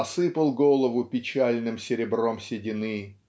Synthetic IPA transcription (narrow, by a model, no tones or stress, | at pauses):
ɐsɨpəlˠɡolˠəvʊpʲɪt͡ɕælʲnɨmsʲɪɾʲɪbromsʲɪdʲɪnɨ